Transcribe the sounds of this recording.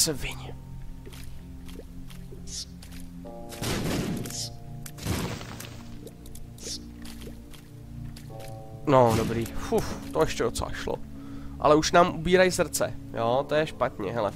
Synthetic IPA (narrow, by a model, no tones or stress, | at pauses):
sɛvɪɲ | nodobɾiːfuft̪ojɛʃcɛdot͡sɛ̰la̰ʃlo̰ʔa̰lɛuʃnaːmʔubiːɾajsr̩t͡sɛ̰joːt̪ojɛʃpat̪ɲɛ̰ɦɛlɛ̰